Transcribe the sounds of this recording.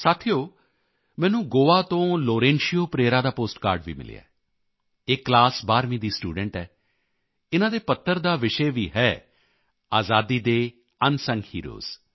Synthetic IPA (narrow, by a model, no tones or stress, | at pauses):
saːt̪ʰijoː | mɛ̃ːnũːɡoːaːt̪õːloːɾẽːnʃijoːpɾeːɾaːd̪aːpoːsʈkaːɾɖʋḭːmɪ̰lḭːa̰ː | eːklaːsbaːɾmĩːd̪iːsʈṵːɖəɳʈɦɛː | ɪnãːd̪eːpət̪ʰːəɾd̪aːʋɪʃeːʋiːɦɛː | aːzaːd̪iːd̪eː | ənsəŋɡhiːɾo̰ːz̥